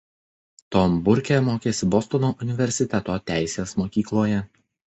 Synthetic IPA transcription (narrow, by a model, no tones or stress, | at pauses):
t̪oːmbʊɾʲkʲemoːkʲeːsʲɪbɔst̪ɔnoːʔʊnʲɪʋʲɛɾʲsʲɪt̪ʲɛt̪oːt̪ʲæˑɪsʲeːsmoːkʲiːklˠoːjɛ